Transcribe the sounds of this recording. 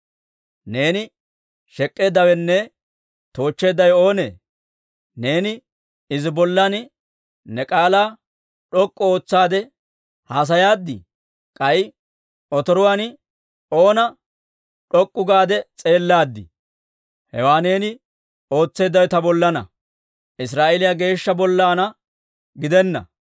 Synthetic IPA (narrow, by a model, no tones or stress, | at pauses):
ne̞ːnɪ | ʃɛkʼːe̞ːd̪ːɐwɛnːɛ | t̪o̞ːt͡ʃːe̞ːd̪ɐjo̞ːnḛː | ne̞ːnɪ | ɪzɪbɔlːɐn | nɛkʼaːlaː | ɗɔkʼːɔo̞ːt͡sːaːd̪ɛ | haːs̬ɐjaːd̪ːɪ̰ | kʼɐɪ | ɔt̪ɔɾʊwaːn | o̞ːnɐ | ᶑɔkʼːʊɡaːd̪ɛt͡sʼe̞ːlːaːd̪ːɪ̰ | hɛ̰waːne̞ːnɪ | o̞ːt͡sːe̞ːd̪ːɐjɔt̪ɐbɔlːɐnɐ̰ | ʔɪs̬ɾaːʔelɪjaːɡe̞ːʃːɐbɔlːaːnɐ | ɡɪd̪ɛnːɐ̰